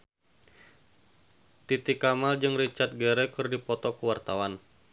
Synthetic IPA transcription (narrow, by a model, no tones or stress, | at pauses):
t̪it̪ikamald͡ʒɨŋrit͡ʃart̪̚ɡɛɾɛkɨrdipɔt̪ɔkəwart̪awan